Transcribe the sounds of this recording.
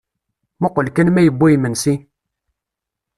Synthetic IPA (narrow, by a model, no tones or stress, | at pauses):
muqʊlkænmæjəbːæjmənsi